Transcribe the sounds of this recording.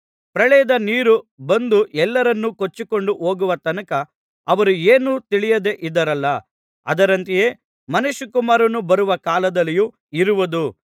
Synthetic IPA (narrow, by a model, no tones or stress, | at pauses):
pɾɐɭɛːɐd̪ɐniːɾubɐnd̪uʔɛlːɐɾɐnːukot͡ʃːiko̞ɳɖuʔo̞ːɡuʋɐt̪ɐnɐkɐ | ɐʋɐɾueːnut̪iɭijɐd̪e̞ʔid̪ɐɾɐlːɐ | ɐ̰d̪ɐɾɐnt̪ije̞ː | mɐnuʃukumaːɾɐnːubɐɾuʋɐkaːlɐd̪ɐlːiju | iɾuʋɐd̪u